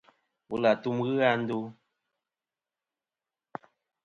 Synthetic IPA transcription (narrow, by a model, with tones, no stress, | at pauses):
wu˨la˨tu˦mɣɨ˦a˦n̩˦du˦